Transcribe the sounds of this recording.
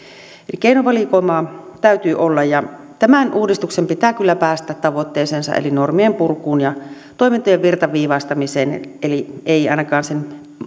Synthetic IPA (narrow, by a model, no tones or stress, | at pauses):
elikeinoʋɑlikoˑimɑːt̪æyt̪yːʔolːɑjjɑ | t̪æmænʔuːdist̪uksempit̪æːkylːæpæːst̪æːt̪t̪ɑʋot̪ːeːseːnsɑ̰ʔḛlinormiempurkuːnjɑ | t̪oˑemint̪ojeʋʋirt̪ɑʋʋiːʋɑst̪ɑmiseːnʔelieˑiɑˑinɑkɑːnsen